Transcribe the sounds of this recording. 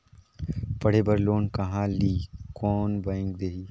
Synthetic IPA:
pɐɽ̤eːbɐɾloːnkɐɦãliːkɔːnbãɪŋk̚d̪eːɦiː

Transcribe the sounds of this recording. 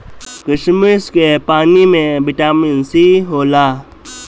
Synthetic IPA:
kɪʃməskepaːnimẽbɪʈaːmɪnsiɦoːlaː

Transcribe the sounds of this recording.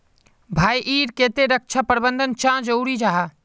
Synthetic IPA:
bʱaːjʔiːɾkeːt̪eɾək̚t͡ʃʰapəɾbənd̪ʱənt͡ʃãd͡ʒəuɾid͡ʒaːɦa

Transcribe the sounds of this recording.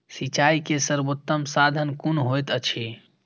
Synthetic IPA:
sit͡ʃaːikesəɾbot̪ːəmsaːd̪ʱənkunɦojt̪ət͡ʃʰi

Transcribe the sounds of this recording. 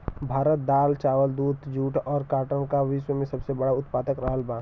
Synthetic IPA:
bʱaːɾət̪̚d̪aːlt͡ʃaːʋəld̪uːt̪d͡ʒuːʈɔːɾkaːʈənkaʋɪʃwəmẽsɐbsebɐɽaʊt̪paːt̪əkɾəɦəlbãː

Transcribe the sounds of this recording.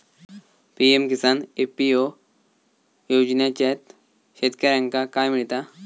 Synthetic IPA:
piemkisanepio | jod͡ʑnjat͡ɕet̪ | ɕet̪kəɾãŋkakajmiɭt̪a

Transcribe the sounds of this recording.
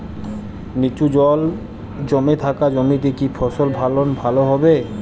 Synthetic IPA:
nit͡ɕud͡ʑɔl | d͡ʑɔmet̪ʰakad͡ʑɔmit̪̬ekipʰɔsolbʱalonbʱaloɦɔbe

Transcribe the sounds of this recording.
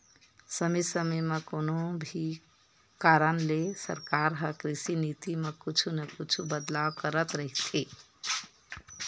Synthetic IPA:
səmisəmemekonobʱi | kaɾənlesə̰ɾkaɾɦəkɾisinit̪imekut͡ʃʰunəkut͡ʃʰubəd̪labkəɾət̪ɾəɦit̪ʰi

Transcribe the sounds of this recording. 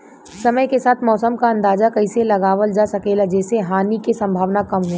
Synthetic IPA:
sɐməjkesaːt̪ʰmɔːsəmkaɐ̃nd̪aːzakɐiselɐɡaːʋəld͡ʒaːsɐkeːlad͡ʒɛːseɦaːnikesɐ̃mbʱaːʋnakɐmɦuẽ

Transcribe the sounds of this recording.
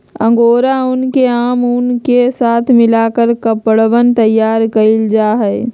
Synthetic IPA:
ə̰̃ŋɡoːɾaʊnkeaːmʊnkesaːt̪ʰmɪlaːkəɾkəpəɽʋənt̪əjaːɾkəɪld͡ʒaːɦɛː

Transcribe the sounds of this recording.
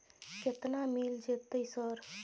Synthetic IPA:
ket̪namild͡ʒet̪ːəjsəɾ

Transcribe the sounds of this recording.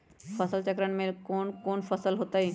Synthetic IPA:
fəsəlt͡ɕəkɾəɳmelkoːnkoːnfʰəsəlɦot̪ai

